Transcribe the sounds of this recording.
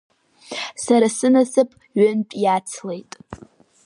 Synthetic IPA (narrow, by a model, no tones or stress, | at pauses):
saɾasɨnasɨpʼ | ɥʏnpʼjat͡sʰle̞jtʼ